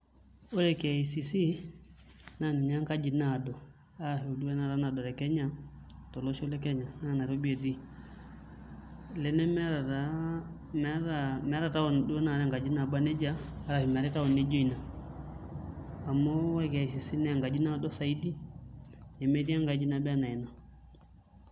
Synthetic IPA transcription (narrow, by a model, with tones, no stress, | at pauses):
o˦ɾɛ˨kɛ˨a˨i˨si˨si˦ | na˨ni˨ɲa˦ŋka˦d͡ʒi˨na˨dɔ˨ | a˦hɛ˨u˨du˦wɛ˦na˨ɾa˦na˨dɔ˨ɾɛ˨kɛ˦ɲa˦tɔ˨lɔ˦ʃɔ˦lɛ˦kɛ˦ɲa˨na˦˨na˨ɾo˦be˨ɾi˦ | lɛ˨nɛ˦m˦ɾa˨a | m˦amɛ˨a˦ɾa˨ta˦ɔ˨n˨du˦ɛ˦na˨ɾɛ˦ŋɡa˨d͡ʒi˦na˨ba˦nɛ˦d͡ʒaː˦ɾa˨hi˨m˨a˨ɾɛ˦ta˦ɔ˨nɛ˦d͡ʒɔ˦i˨na˨ | mɔ˦wɛ˦kɛ˨ʃi˨si˦nɛ˦a˨ŋɡa˨d͡ʒi˦na˦dɔ˦sa˨i˦di˦ | nɛ˨mɛ˦ɾi˦a˦ŋɡa˨d͡ʒi˦na˦ba˦na˨i˨na˨